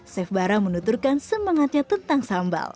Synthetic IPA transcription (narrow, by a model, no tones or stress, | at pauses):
sɛfbaɾamənut̪urkansəmaŋat̪̚ɲat̪ənt̪aŋsamba̰l